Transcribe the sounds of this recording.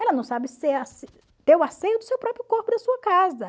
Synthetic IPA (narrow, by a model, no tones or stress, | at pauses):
ɛlɐnɐ̃w̃sabɪseas | t̪eɾʊasejʊd̪ʊsewpɾɔpɾjʊkoɾpʊd̪ɐsuɐkazɐ